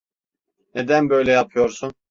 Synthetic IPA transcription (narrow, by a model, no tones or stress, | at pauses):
ned̪ænbø̞jlʲɛjapʰɯjoɾsun